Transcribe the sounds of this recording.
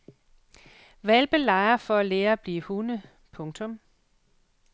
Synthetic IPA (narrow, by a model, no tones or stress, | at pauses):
ʋælb̥elɑ̈ɪɐfɒ̽æleːɐb̥liːhunə | pʰɔ̽ŋt͡sʰɔ̽m